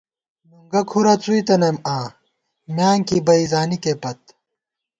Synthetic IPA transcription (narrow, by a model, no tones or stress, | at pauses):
muŋɡɐkʰuɾɐt͡suit̪ɐnɐmaː | mjaːŋkibɐizaːnikeːpɐt̪̚